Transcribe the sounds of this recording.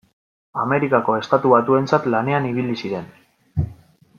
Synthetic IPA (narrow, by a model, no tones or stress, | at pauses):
ame̞ɾikako̞e̞st̪at̪uβat̪ue̞nt͡sat̪lane̞aniβ̞ilisiɾe̞n